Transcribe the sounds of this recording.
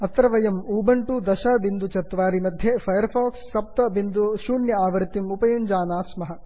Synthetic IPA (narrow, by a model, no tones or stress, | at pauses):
ɐt̪ɾɐʋɐjɐmuːbɐɳʈud̪ɐʃaːbind̪ut͡ʃɐt̪ʋaːɾimɐd̪ʱjeːpʰɐjɐɾpʰaːksːɐp̚t̪ɐbind̪uʃuːɳjɐaːʋɐɾt̪imupɐjuɲd͡ʒaːnaːsmɐɦɐ̆